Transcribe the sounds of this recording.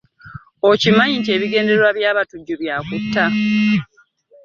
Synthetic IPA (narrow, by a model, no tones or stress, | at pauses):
ocimaɲiɲceːβiɡe̞ːndewaβjaːβatuɟːoβjaːkutːa